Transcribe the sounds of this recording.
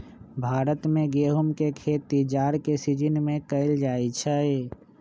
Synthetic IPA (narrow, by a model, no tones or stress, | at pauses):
bʱaːɾət̪mẽɡeːɦʊmkekʰeːt̪ːid͡ʒaːɾkesid͡ʒɪnmẽkəɪld͡ʒaːit͡ʃʰə